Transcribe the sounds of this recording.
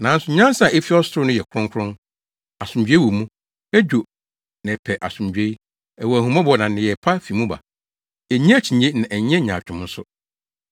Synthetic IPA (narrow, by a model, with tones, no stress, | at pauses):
nã˨˦n̩˦sʊ˦ɲã˦sa˨ɛ˦fi˦ɔ˦sʊ˨ɾʊ˦nʊ̃˦jɛ˨kʰʊ˦ɾʊ̃˦ŋkʰɾʊ̃˦n | a˨sʊ̃˨md͡ʑᶣɥe˦wo˨mũ˦ | ɛ˦d͡ʑᶣo˨ | nɛ̃˨pʰɛ˨ʔa˨sʊ̃˨m˨d͡ʑᶣe˦ | ɛ˨wɔ˨æ˨hũ˨ma˦bɔ˨nã˨nɪ̃˨jɛ˨pʰa˦fi˨mũ˦ba̰˨ | ɛ˨ɲɛ̃˦æ˦˨t͡ɕʰĩ˨ɲe˦nã˨ʔɛ˨ɲ˦ɛ̃˦ɲã̰˨t͡ɕᶣʊ̃˨m̩˦sʊ̰˦